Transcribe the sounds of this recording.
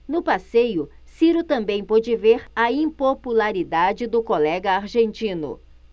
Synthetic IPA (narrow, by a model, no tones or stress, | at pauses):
nʊpasejʊ | siɾʊt̪ɐ̃mbẽj̃pɔd͡ʒɪveɾɐĩpopulaɾid̪ad͡ʒɪd̪ʊkolɛɡɐaɾʒẽnt͡ʃĩnʊ̰